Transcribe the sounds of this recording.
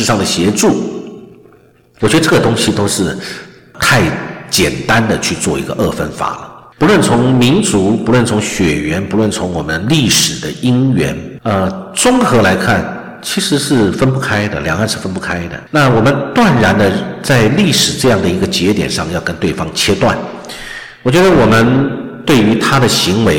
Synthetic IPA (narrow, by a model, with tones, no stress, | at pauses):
ɻ̩˥˧ʂɑ˥˩ŋd̪ə˩ɕjɛ˧˥ʈ͡ʂu˥˩ | wɔ˨˩t͡ɕɥɛ˧˥˧ʈ͡ʂɤ˥˩ɡə˩t̪ʊ˥ŋɕi˨t̪o˥ʊʂɻ̩˥˩ | t̪ʰa˥˩ɪt͡ɕjɛ˨˩nt̪a˦nd̪ə˨t͡ɕʰy˥˧t͡swɔ˥˩i˧˥ɡə˧ʔɤ˥˩fə˥nfa̰˨˩˦lə̰˦pu˧˥lwə˥˩nt͡sʰʊ˧˥ŋmi˧˥nt͡su˧˥pu˧˥lwə˥˩nt͡sʰʊ˧˥ŋɕɥɛ˨˩ɥɛ˧˥npu˧˥lwə˥˩nt͡sʰʊ˧˥ŋwɔ˨˩mə˦nli˥˩ʂɻ̩˨˩d̪ə˦i˥ŋɥɛ̰˧˥nə˧t͡sʊ˥ŋxɤ˧˥la˧˥ɪkʰa˥˩n | t͡ɕʰi˧˥ʂɻ̩˧˥ʂɻ̩˥˩fə˥npu˥˩kʰa˥ɪd̪ə̰˨ljɑ˨˩ŋa˥˧nʂɻ̩˥˩fə˥npu˥˩kʰa˥ɪd̪ə̰˨na˥˩wɔ˨˩mə˦nt̪wa˥˩nɻa˧˥nd̪ə˧t͡sa˥˧ɪli˥˩ʂɻ̩˨˩ʈ͡ʂɤ˥˧jɑ˥˩ŋd̪ə˩i˧˥ɡə˧t͡ɕjɛ˧˥t̪jɛ̰˨˩nʂɑ˥˧ŋjɑ˥˩ʊkə˥nt̪we˥˩ɪfɑ˥ŋt͡ɕʰjɛ˥t̪wa̰˥˩n | wɔ˨˩t͡ɕɥɛ˧˥d̪ə˧wɔ˨˩mə˦nt̪we˥˩ɪy˧˥t̪ʰa˥d̪ə˨ɕi˧˥ŋwe˧˥ɪ